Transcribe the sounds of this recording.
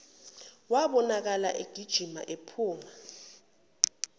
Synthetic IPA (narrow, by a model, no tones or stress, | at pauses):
waɓɔnak̬alaʔeɡ̥ʱid̥ʒ̥ʱima̰ʔepʰuːma